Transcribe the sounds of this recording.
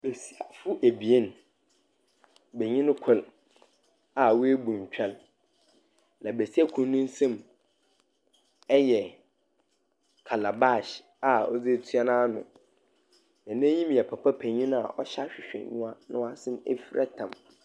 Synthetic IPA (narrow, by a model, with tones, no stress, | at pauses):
be˨si˦a˨fʊ˦ʔe˨bi˨e˦n˨ | be˨ɲĩ˦n˦kʰʊ˦˨l | a˨wɔ˦e˦bũ˨ɲ˨t͡ɕᶣɛ˦l | nã˨be˨si˦a˦kʰũ˨n˦nʊ̃˦n̩˦sã˦˨m | ɛ˦jɛ˨ | kʰa˨la˨ba˦˨ɕ | a˨ɔ̰˦d͡ze˦tʰɥa˦nãː˦nʊ̰̃˨ | nã˨nã˦ɲĩ˦m˨ɛ˨pʰa˨pʰa˦pʰæ˨ɲĩ˦na̰˨ʔɔ˦ɕa˦ɕᶣɪ˨ɕᶣɛ̰˨ɲʊ̃˦a˦nʊ̃˦a˦sɪ̃˦m˦ḛ˦fi˦ɾʔɛ˦tʰã˨m